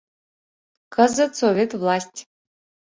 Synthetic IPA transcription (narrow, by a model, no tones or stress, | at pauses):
kʰəzɨt̪sovʲet̪vlˠasʲtʲ